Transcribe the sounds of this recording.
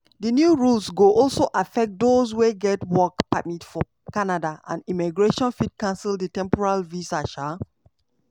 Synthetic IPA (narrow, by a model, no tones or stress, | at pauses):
dənjuɹulsɡoʔɔlsoʔafɛk̚t̚dozweɡɛtwɔkpamitfɔ | kanadaã̰nimiɡɹeʃɔ̃nfid̚kãnsildətɛ̃mpɔɹalvisaʃa